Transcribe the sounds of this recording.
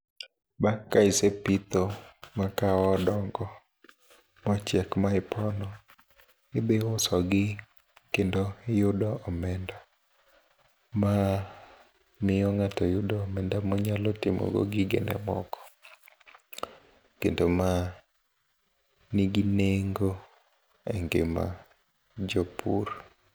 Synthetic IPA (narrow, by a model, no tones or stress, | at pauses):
bakkːaɪsepit̪omakawɔdɔŋɡɔ | mɔt͡ʃɛkmaɪpʰɔnɔ | ɪbewʊsɔɡɪ | kendoɪjʊdɔʔɔmɛnda | ma | mɪjɔŋatɔjʊdɔːmɛndamɔɲalɔtɪmɔ̰ɡo̰ɡɪɡɛ̰nɛ̰mɔ̰kɔ̥ | kendoma | niɡineŋɡo | ɛŋɡḛma̰ | d͡ʒɔpʰuɾ